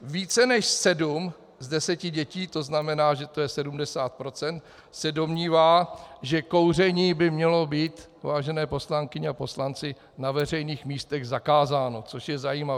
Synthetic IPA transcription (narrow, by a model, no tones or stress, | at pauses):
viːt͡sɛnɛʃsɛdum | zdɛsɛcɪɟɛciːt̪o̞znamɛnaːʒɛt̪o̞jɛsɛdumdɛsaːt̪̚pɾo̞t͡sɛnt̪ | sɛdo̞mɲiːvaːʒɛko̞wr̝ɛɲiːbɪmɲɛlo̞biːt̪ | vaːʒɛnɛːpo̞slaŋkɪɲɛapo̞slant͡sɪ | navɛr̝ɛjniːxmiːst̪ɛɣzakaːzaːno̞t͡soʃjɛzajiːmav